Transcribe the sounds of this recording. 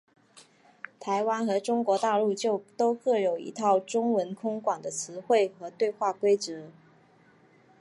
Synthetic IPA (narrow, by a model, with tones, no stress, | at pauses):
t̪ʰa˧˥ɪwa˥nxɤ˧˥ʈ͡ʂʊ˥ŋkwɔ˧˥t̪a˥˧lu˥˧t͡ɕjo˥˧t̪o˥ʊkɤ˥˩jo˨˩ʊḭ˧˥t̪ʰɑ˥˩ʊʈ͡ʂʊ˥ŋwə˧˥nkʰʊ˥ŋkwa˨˩ŋd̪ə˦t͡sʰɹ̩˧˥xwe˥˩ɪxɤ˧˥t̪we˥˧ɪxwa˥˩kwe˥ɪt͡sɤ˧˥